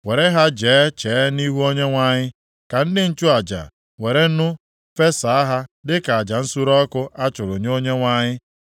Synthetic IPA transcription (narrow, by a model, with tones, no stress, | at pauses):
we˨ɾe˦ɦa˦d͡ʒeː˨˦t͡ʃe˨˦ni˦ɦu˦o˦ɲe˦ŋʷa˨ɲɪ˦ | ka˨n̩˦dɪ˦n̩˦t͡ʃʊ˦a˨d͡ʒa̰˨ | we˨ɾe˦nʊ˦ | fe˦sa˨a˦ɦa˦dɪ˦ka˨a˨d͡ʒa˨n̩˦su˦ɾɔ˦kʊ˦ʔa˦t͡ʃʊ˨ɾʊ˨ɲ˦o˦ɲe˦ŋʷa˨ɲɪ˦